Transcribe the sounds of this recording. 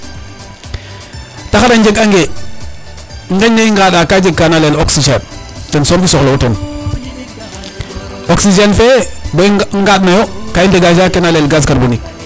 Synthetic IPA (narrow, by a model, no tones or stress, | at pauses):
taxadaɲd͡ʒeɡaŋɡe | ŋɡeɲːeiŋɡaɗakad͡ʒeɡ̚kːanaleloksid͡ʒen | tɛnsɔːɾkisɔxlouten | oksid͡ʒenfebeŋɡaɗnajokainteɡaʃakenalelɡas̬kaɾbonik̚